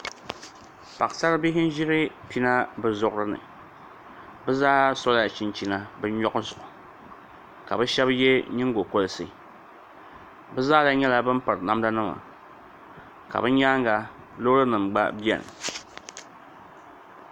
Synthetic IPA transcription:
pa˨ksa˦ɾɨ˦bi˦ɦɪ˦n˦ʒi˦ɾɨ˦pi˦na˦bɨ˨zʊ˦˨ʔʊ˦ɾɨ˦nɨ̰˨ | bɨ˦zaː˦sɔ˦la˦˨t͡ʃi˦nt͡ʃi˦na˦bɨ˦n˦ɲɔ˦ʔʊ˦zʊ˨ʔʊ˨ | ka˨bɨ˦ʃɛ˦bjɛ˦ɲi˦ŋɡo˨ko˦lɨ˦sɨ̰˨ | bɨ˦zaː˦da˦ɲɛ˦la˦bɨ˦m˦pɨ˨ɾna˦mda˦nɨ˦ma̰˨ | ka̰˨bɨ˦ɲa˦ŋ˦ɡa˨ | lo˦ɾɨ˦nɨ˨mɡ͡ba̰˦bi˦ɛ̰˨nɨ̰˨

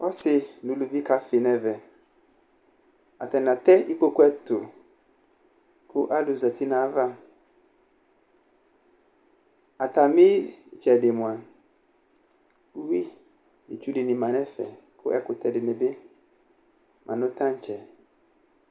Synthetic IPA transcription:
ɔ˦sɪ˨nʊ̃˨lu˨vi˦ka˦fɪ˨nɛ̃˨vɛ˨ | a˨t̪a˨n˨a˨t̪ɛ˦i˦k͡po˦ko˦ɛ˦t̪ʊ˨ | kʰʊ˦ʔa˦lʊ˨za˨ti˦nã˨˦va˦ | a˨t̪a˨mɪ̃˦˨t͡ʃɛ˨dɪ˨mʊ̃˨a˨ | u˦wi˦ | ḭ˨t͡ʃu˦dɪ˨nɪ̃˨mã˨nɛ̃˦fɛ̰˨kʰʊ̰˦ʔɛ̰˦kʊ˨tʰɛ˨dɪ˨nɛ̃˨be˦ | mʔã̰˨nʊ̃˦t̪ʰã˦ɲ̩˦t͡ʃʰɛ˨

